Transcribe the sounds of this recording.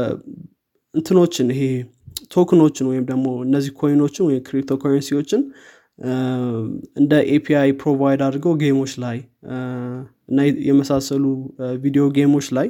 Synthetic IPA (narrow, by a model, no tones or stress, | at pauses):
ɨnt̪ʰɨno̞t͡ʃːɪnɪɦe̞ | t̪ʰo̞kʰɨno̞t͡ʃːɪnwɔjɪmd̪əɡmo̞ɨnːəzːihkʰo̞juno̞t͡ʃːɪnwɔjɪmkɾik̚t̪ʰokʰoɾənsiwo̞t͡ʃːɪn | ɨnd̪əʔepʰiajpʰɾo̞vajd̪ad̪ɡəwɡejmo̞t͡ʃːlaj | ɨnːajɛməsasəluvid̪ijo̞ɡemo̞t͡ʃːlaj